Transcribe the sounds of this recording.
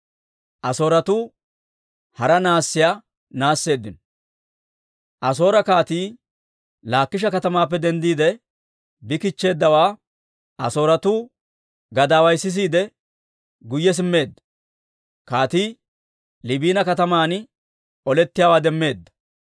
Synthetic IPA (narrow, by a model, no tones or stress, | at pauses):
ʔɐso̞ːɾɐt̪uː | hɐɾɐnaːsːɪjaː | naːsːe̞ːd̪ːɪnɔ | ʔɐs̬o̞ːɾɐkaːt̪iː | laːkːɪʃ̬ɐkɐt̪ɐmaːpːɛd̪ɛnd̪iːd̪ɛ | bɪkɪt͡ʃːe̞ːd̪ːɐwaː | ʔɐso̞ːɾɐt̪uː | ɡɐd̪aːwɐjsːɪs̬iːd̪ɛ | ɡʊjːɛs̬ɪmːe̞ːd̪ːɐ̥ | kaːt̪iː | lɪbiːnɐkɐt̪ɐmaːn | ɔlɛt̪ːɪjaːwaːd̪ɛmːe̞ːd̪ːɐ̥